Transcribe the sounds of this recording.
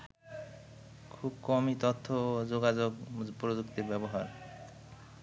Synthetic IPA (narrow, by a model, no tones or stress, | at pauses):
kʰubkɔmit̪ot̪ʰːod͡ʑoɡad͡ʑoɡpɾod͡ʑukt̪iɾbɛboɦaɾ